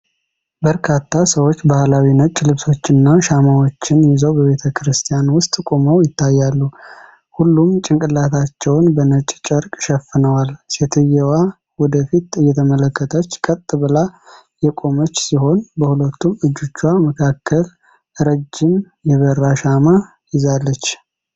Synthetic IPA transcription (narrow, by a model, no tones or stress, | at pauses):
bəɾkʰat̪ʰːasəwo̞t͡ʃːbahlawinət͡ʃʼːlɨβso̞t͡ʃːɨnːaʃamawo̞t͡ʃːɪnjɪzəwbəβe̞t̪ʰəkɨɾɨst̪ʰijanwʊst̪ʼkʼo̞məwjɪt̪ʰːajːalːu | hulːumt͡ʃʼɪŋkʼɨlːat̪ʰat͡ʃːɛwnbənət͡ʃʼt͡ʃʼəɾkʼʃɛfɨnəwalset̪ʰɨjɛwa | wɔd̪əfit̪ɨjːɛt̪ʰəmələkːət̪ʰət͡ʃːkʼət̪ʼːɨβɨla | jɛkʼo̞mət͡ʃːsiho̞nbəhulət̪ːumɨd͡ʒːut͡ʃːwaməkʰakːəl | ɾəd͡ʒːɪm | jɛβərːaʃama | jɪzalːət͡ʃː